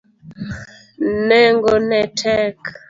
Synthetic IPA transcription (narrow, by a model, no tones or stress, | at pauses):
nɛŋɡɔnɛtʰɛk